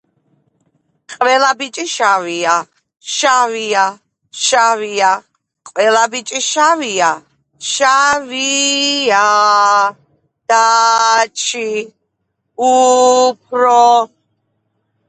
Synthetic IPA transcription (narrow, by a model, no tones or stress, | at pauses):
qʼwɛlabit͡ʃʼiʃavia | ʃavia | ʃavia | qʼwɛlabit͡ʃʼiʃavia | ʃavia | d̪̥a | t͡ʃʰi | up̚ʰɾɔ